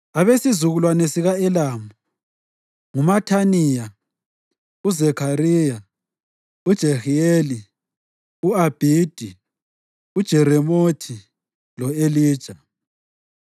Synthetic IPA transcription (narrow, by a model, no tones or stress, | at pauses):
aβesizuɣulwanesiɣaɛlaːmu | ŋumatʰanija | uzɛkʰaɾiːja | ud̥ʒ̥ʱɛxieli | uab̥ʱid̥ʱi | ud̥ʒ̥ʱɛɾɛmotʰi | lɔeliːd̥ʒ̥ʱa